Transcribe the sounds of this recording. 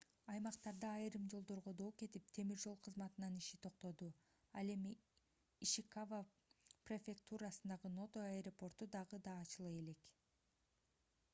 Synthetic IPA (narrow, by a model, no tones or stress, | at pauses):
ɑjmɑqt̪ɑɾd̪ɑːjɾɯmd͡ʒo̞lˠd̪o̞ɾʁo̞d̪o̞ːke̞t̪ip̚t̪ʰe̞miɾd͡ʒo̞lˠqʰɯzmɑt̪ɯnɑniʃit̪ʰo̞q̚t̪o̞d̪u | ɑlˠe̞miː | ʃikavə | prefʲe̞k̚t̪uɾasɯnd̪ɑʁɯno̞t̪oajɾopo̞rt̪ud̪ɑʁɯd̪ɑːt͡ʃɯlˠɯe̞le̞k